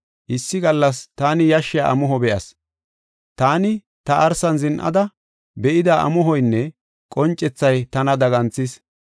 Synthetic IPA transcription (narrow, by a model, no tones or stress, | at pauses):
ʔɪsːɪɡɐlːɐst̪aːnɪjɐʃːɪjaʔɐ̰mɔɦɔbɛʔɐ̰s | t̪aːnɪ | t̪ɐʔɐɾsɐnzɪnʔɐ̰d̪ɐ | bɛʔɪd̪aʔɐ̰mɔɦɔjnːɛ | kʼɔnt͡ʃʼːɛt͡sːɐjt̪ɐnɐd̪ɐɡɐnt͡sːɪs